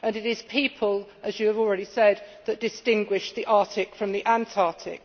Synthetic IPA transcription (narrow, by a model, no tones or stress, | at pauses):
ə̃nɪtɪz̥pʰiˑpʰəlˠʔəzjəːvɔlˠɹɛɾisɛd̪̚ðəʔ̚d̥ɪstɪ̃ŋɡwɪʃðiʔɑˑtʰɪkfɹə̃mðiʔãntʰɑˑtʰɪ̰k